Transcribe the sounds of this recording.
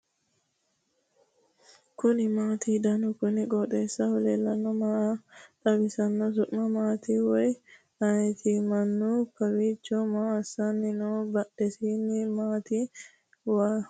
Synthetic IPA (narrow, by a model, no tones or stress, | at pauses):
kʊnɪmaːt̪iːd̪ɐnʊkʊnɪkʼɔt̪ʼeːsːɐhʊleːlːɐnːɔmat̪ʼɐbɪsɐnːɔsʊʔmːɐmaːt̪iwɔj | ɐnɛt̪ʰimɐnːukɐwiːt͡ʃːɔmaːɐsɐnːɪnobɐɗɛsiːnːɪmaːt̪i | waː